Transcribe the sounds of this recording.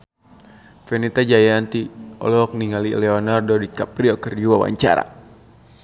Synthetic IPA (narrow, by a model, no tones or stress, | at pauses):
fɛnit̪ad͡ʒajant̪iɔ̰lɔk̚niŋalilɛɔnardɔdikapɾiɔkərd͡ʒuwawa̰ɲt͡ʃa̰ɾa̰